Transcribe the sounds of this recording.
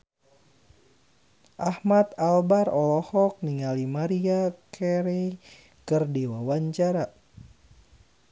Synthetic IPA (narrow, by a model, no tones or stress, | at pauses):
ʔahmat̪albaɾɔlɔhɔk̚niŋalimaɾiakʰɛɾɛ | kɨrdiwawaɲt͡ʃaɾa